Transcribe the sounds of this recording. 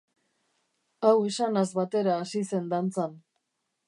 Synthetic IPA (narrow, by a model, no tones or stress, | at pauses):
awe̞sanazβat̪e̞ɾaːsise̞nd̪ant͡san